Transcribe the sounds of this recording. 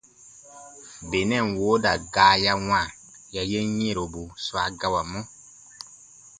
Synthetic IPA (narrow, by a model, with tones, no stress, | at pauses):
be˨nɛ̃˦˨nwoː˨˦da˨ɡaː˨˦ja˦w̃ã˦˨ | ja˨je˦ɲ˦e˦˨ɾo˨bu˨swa˨˦ɡa˦wa˨mɔ̃˦